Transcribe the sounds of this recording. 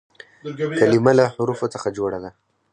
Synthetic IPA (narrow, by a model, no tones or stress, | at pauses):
kalimalaħʊɾufot͡səxad͡ʒoɽad̪a